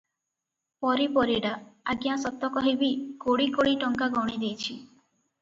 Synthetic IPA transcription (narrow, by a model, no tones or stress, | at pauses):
pɔɾipɔɾiɽaaɡjasɔt̪ːɔkɔɦebikoɽikoɽiʈɔŋkaɡɔɽ̃id̪ejt͡ʃʰi